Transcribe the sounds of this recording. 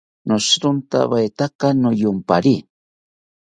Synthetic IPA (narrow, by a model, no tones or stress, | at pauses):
noʃɾʊnt̪a̰βajt̪akanʊjʊmpa̰ɾi